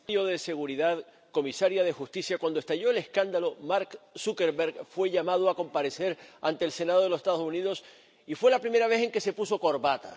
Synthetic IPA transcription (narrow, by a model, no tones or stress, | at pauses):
o̞ðe̞se̞ɣuɾiðað | ko̞misaɾjað̞e̞xust̪isjakwand̪oest̪aʝo̞e̞le̞skand̪alo̞maɾksukeɾβeɾɡfwe̞ʎamaðoako̞mpaɾe̞se̞ɾant̪e̞ːlse̞naðo̞ðlosest̪aðosuniðo̞s | ifwe̞lapɾime̞ɾaβ̞e̞θe̞ŋke̞se̞puso̞ko̞ɾβat̪a̰